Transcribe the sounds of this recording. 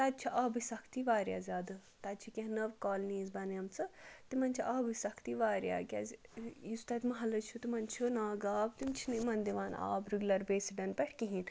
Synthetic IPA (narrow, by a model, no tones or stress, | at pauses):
t̪ad̪̚ʲt͡ʃʰiʔaːbisɐkʰt̪iʋaːɾʲja̰ːzʲaːd̪ɨt̪ɐd̪̚ʲt͡ʃʰikʲẽɦnɐʋkɔːlniːzbɐnjɐmt͡sɨt̪imɐnt͡ʃʰiʔaːbɨsɐkʰt̪iʋaːɾja̰ːɡʲa̰zʲjust̪ɐt̪ʲmɐɦɐlɐt͡ʃʰut̪imɐnt͡ʃʰunaːɡaːb̚t̪imt͡ʃʰinimɐnd̪iʋaːna̰ːbɾuɡʲlɐɾbeːsiɖɐnpɐʈʰkiɦin